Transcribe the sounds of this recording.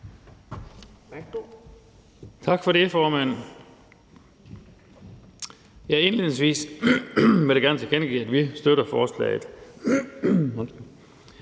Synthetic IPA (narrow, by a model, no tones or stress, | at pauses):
t͡sʰɑ̈ɡ̥fɒ̽ɾe̝fɒːmæn̰ | jɑe̝nleðˠneŋsʋḭːs | ʋeɾ̥eɡ̥æɐnət͡sʰe̝kenɡ̥ḭːæd̥ʋisd̥øɾɐfɒːslɛ̰ɪð̩ˠ